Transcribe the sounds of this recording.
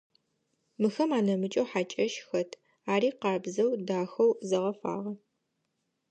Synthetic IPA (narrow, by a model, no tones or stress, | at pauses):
mɨxɐmaːnɐmɨt͡ʃʼɐwħat͡ʃʼɐʃxɐtʰ | aːɾiːqɑːbzɐwdaːxɐwzɐʁɐfa̰ːʁɐ